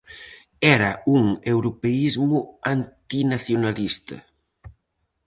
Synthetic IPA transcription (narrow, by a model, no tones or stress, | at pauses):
ɛɾauŋewɾupeizmuant̪inasjonalist̪ɐ̰